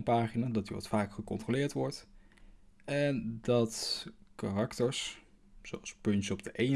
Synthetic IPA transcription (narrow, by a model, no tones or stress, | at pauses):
npaːχinaːdɑtyʋɑ̰tfaːkχəkɔ̰ntrolɪːɹtʋɔɹt | ɛndɑtkarɑktəɹs | z̥owɑlˠspɵntɔb̚dəʔejn